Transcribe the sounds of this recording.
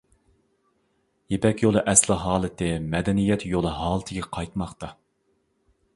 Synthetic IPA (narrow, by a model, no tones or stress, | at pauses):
jepɛkʲjolˠɨʔɛslɪɦɑːlˠɨt̪ɪmɛd̪ɛnijɛt̪jolˠɨɦɑːlˠɨt̪ʰɪɡʲɛqʰɑjt̪mɑqt̪ɑ